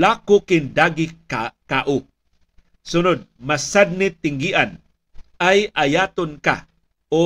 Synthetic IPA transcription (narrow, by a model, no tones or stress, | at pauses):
laːkokɪnd̪aɡikkaʔo | sʊnʊd̪̚masad̪̚nɪt̪ɪŋɡiʔan | ʔajajaːt̪onka̰ | o